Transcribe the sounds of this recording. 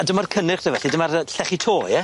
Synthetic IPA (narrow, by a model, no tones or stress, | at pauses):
adəmarkʰənɪχd̥əvɛɬidɪmarəɬɛχitʰoːjɛ